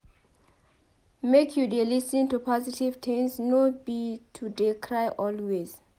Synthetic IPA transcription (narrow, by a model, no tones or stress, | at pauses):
mekʰjudelisĩntupʰɔzitivtʰɛ̃nsnobitʰudekʰɹajʔɔlwez